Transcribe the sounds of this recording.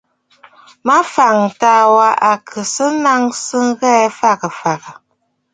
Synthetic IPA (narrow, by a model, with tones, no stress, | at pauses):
ma˦fa˨ŋtaː˨˦wa˦ʔa˨kʰɨ˨sɨ˦na˦ŋsɨ˦ŋ˦ɣɛ˦fa˦ɣɨ˨fa˨ɣɨ˨